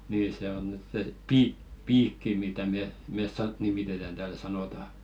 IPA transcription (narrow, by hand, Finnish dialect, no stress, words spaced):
niːn se on nyt se piːk piːkːi mitæ me mes sɑ nimitetæn tæːl sɑnoˑtɑ